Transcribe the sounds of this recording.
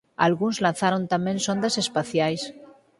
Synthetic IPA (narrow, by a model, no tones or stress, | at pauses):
a̰lɣunzlan̟θaɾont̪amẽnsond̪asespaθjajs